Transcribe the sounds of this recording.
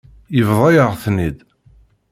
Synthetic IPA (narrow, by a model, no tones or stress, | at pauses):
jəvðˤɑjəʁθnid̪